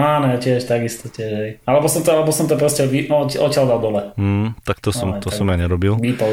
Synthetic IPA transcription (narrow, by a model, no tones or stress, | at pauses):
aːnɔacɪɛʃt̪aɡist̪ɔcɪɛʃɦɛjalɛbɔsɔmt̪ɔalɛbɔsɔmt̪ɔpɾɔscɛʋiɔʔɔtcɪalˠd̪alˠd̪ɔlɛt̪akt̪ɔsɔmɛt̪ɔasɔmjaɲɛɾɔbilʋiːt̪ɔ